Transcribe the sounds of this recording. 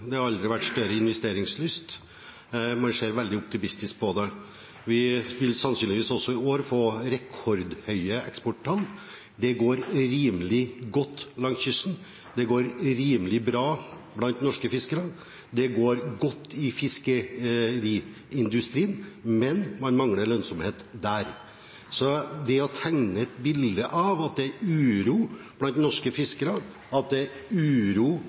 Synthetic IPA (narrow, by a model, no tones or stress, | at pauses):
d̪ɛhɑɾɑld̪ɾɪʋæʈːst̪œɾəɪnʋɛst̪eːɾɪŋslʏst̪ | mɑnʂeːɾʋɛld̪ɪʊp̚t̪ɪmɪst̪ɪsk̚pʰɔd̪ɛ | ʋɪʋɪlsɑnsyːnɪʋiːsɔsːɔɪoːɾfoːɾɛkʰɔɾd̪hœʏəɛkspɔʈ̚t̪ʰɑlː | d̪ɛɡoːɾɾiːməlɪɡɔt̪ːlɑŋçʏsn | d̪ɛɡoːɾɾiːmlɪbɾɑː | blɑnt̪nɔʂkəfɪskəɾɑ | d̪ɛɡoːɾɡɔt̪ːɪfɪskəɾiː | ɪnd̪ʉst̪ɾiːənmɛnmɑnmɑŋləɾɭœnsɔmheːt̪d̪æːɾ | sɔd̪ɛɔt̪ʰæŋnəɛt̪bɪld̪əʔɑʋɑt̪̚d̪ɛɾʉːɾuːb̥lɑnt̪nɔʂkəfɪskəɾɑ | ɑt̪̚d̪ɛʉːɾuː